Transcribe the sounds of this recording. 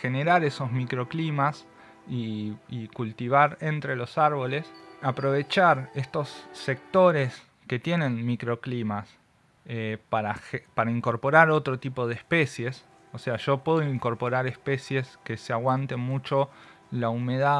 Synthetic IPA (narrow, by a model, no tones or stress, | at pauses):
xe̞ne̞ɾaɾeso̞zmikɾo̞klimas | iːkult̪iβ̞aɾent̪ɾe̞lo̞saɾβ̞o̞le̞sapɾo̞β̞e̞t͡ʃaɾe̞st̪o̞sːe̞k̚t̪o̞ɾes | ke̞t̪je̞nẽ̞nmikɾo̞klimas | epaɾaxepaɾaiŋko̞ɾpo̞ɾaɾo̞t̪ɾo̞t̪ipo̞ð̞ehspe̞sje̞s | ose̞aʒ̥o̞pwe̞ð̞oiŋko̞ɾpo̞ɾaɾespe̞sje̞ske̞seaɣwant̪e̞nmut͡ʃo̞ | laume̞ða